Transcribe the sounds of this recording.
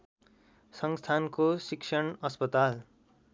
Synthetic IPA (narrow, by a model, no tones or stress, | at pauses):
sʌŋst̪ʰankosiksʰʌɳʌspʌt̪al